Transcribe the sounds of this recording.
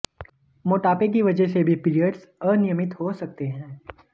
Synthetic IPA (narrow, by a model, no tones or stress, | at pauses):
moːʈaːpek̬iʋɐd͡ʒəɦsebʱipɪɾijəɖz | ɔːɾnɪjəmɪt̪ɦosɐk̚t̪eɦɛ̃ː